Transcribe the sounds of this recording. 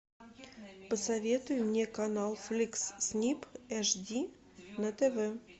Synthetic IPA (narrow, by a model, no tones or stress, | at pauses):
pəsɐvʲe̞t̪ʊjʊmnʲekɐnɑlˠflʲiksːʲnʲipɛʂdʲi | nət̪evɛ